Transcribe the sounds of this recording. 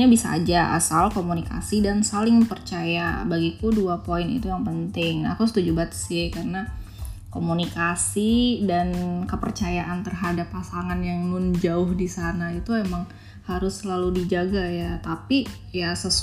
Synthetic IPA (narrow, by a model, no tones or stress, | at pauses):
ɲabisa̰ːd͡ʒaʔa̰salkomunika̰sidansalɪŋpərt͡ʃajabaɡikuduapoɪnḭt̪ujaŋpənt̪ɪŋa̰kusət̪ud͡ʒubat̪ə̥sɪhkarəna | komunikasidankəpə̰rt͡ʃajaʔant̪ərɦadapːasaŋanjaŋnʊnd͡ʒaʊhdisanait̪uemaŋ | haɾʊsəlaludid͡ʒaɡajat̪api | jasə